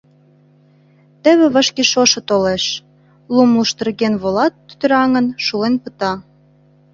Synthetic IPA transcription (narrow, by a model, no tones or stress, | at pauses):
t̪ĕβĕβə̆ʃkeʃoʃɤ̆t̪oleʃ | lumluʃt̪ə̆rɣenβolɑt̪ːy̥t̪ɾɑŋə̆nʃulenpə̆t̪ɑ